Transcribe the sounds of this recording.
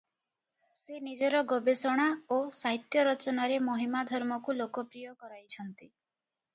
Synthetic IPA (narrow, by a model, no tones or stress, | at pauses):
senid͡ʒɔɾɔɡɔbesɔɽ̃aosaɦit̪jɔɾɔt͡ʃɔnaɾemɔɦimad̪ʱɔɾmɔkulokɔpɾijɔkɔɾajt͡ʃʰɔnt̪i